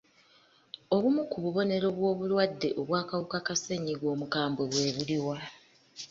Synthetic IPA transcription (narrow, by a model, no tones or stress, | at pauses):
o̞βumukuβuβo̞ne̞ɾo̞βwo̞ːβulwadːe̞ʔoβwaːkawukakase̞ɲiɡwo̞ːmukaːmbo̞βwe̞ːβuliwa